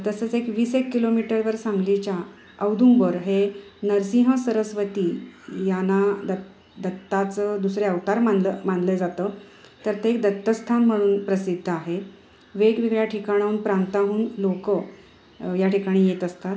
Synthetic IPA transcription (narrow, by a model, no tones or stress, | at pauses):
t̪əsəːt͡sekʋiːsekːilomiʈəɾʋəɾsãŋɡlit͡ɕja | əwd̪ʱumbəɾɦenəɾsiɦəsəɾəsʋət̪iːjanad̪ə | d̪ət̪ːat͡səd̪usɾeəʋt̪aɾmaləmand̪led͡zat̪əː | t̪əɾt̪eek̚d̪ət̪ːəst̪ʰanm̤əɽ̃uːnpɾəsid̪ʱːəaɦe | ʋeɡʋiɡɭjaʈʰikaɽ̃aunpɾant̪aɦuːnlokə | jaʈikaɽ̃iːjet̪əst̪at̪